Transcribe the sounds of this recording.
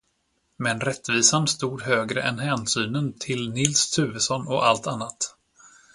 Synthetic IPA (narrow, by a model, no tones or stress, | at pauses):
mɛnɾɛt̪ːviːsanst̪uːd̪ɦøːɡɾə̰ʔɛnɦɛːnsyːnənt̪ʰɪlnɪlst̪ʰʉ̟ːvəsɔnːɔʔalt̪anːat̪